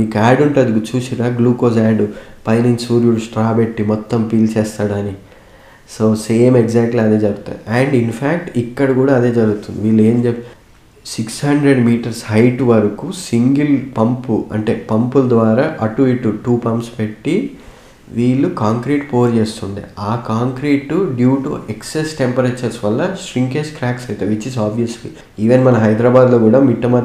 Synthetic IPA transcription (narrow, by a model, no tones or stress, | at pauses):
miːkaːɖuɳʈɐd̪ikut͡ʃuːsiɾaːɡluːkoːsaːɖupɐjninsuːɾjuɽsʈɾaːpe̞ʈːimɔt̪ːɐmpiːlt͡ʃɛːst̪aːɽani | soːse̞ːmeɡd͡ʒaːk̚ʈlɐd̪eːd͡ʒɐɾuɡut̪a̰ːjaɳɖinpʰaːkʈikːɐɽɐkuːɽaːɐd̪e̞ːd͡ʒɐɾuɡut̪und̪iʋiːɭːue̞ːmd͡ʒe | sikshɐɳɖɾeɖmiːʈɐɾshɐjʈuʋɐɾɐkusiŋɡilpɐmpuɐ̰ɳʈe̞ːpɐmpulɐd̪ʋaːɾaːʔɐʈuiʈːuʈuːpɐmpspe̞ʈːi | ʋiːɭːukaːŋkɾiːʈpo̞ːɾt͡ʃe̞ːst̪uɳɖḭaːkaːŋkɾiːʈuɖjuːʈṵeksesʈempɐɾeːt͡ʃɐɾsʋɐlːɐʃɾiŋkeːskɾaːksɐjt̪aːʋit͡ʃizaːbʋijɐslḭ | iːʋenmɐnɐɦɐjd̪ɾaːbaːd̪lo̞ːkuːɽaːmiʈːɐmɐ